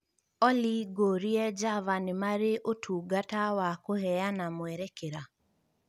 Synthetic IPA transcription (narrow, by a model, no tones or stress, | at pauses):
ɔliɡoɾiɛd͡ʒavanɪmaɾeʔotʰuɡatawakoɦɛjanamwɛɾɛkeɾa